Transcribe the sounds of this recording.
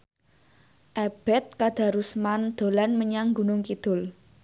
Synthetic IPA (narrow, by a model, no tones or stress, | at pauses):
ʔɛb̥ɛt̪̚kad̪̥a̤ɾusmand̪̥o̤lanməɲaŋɡunʊŋkid̪̥ʊ̤l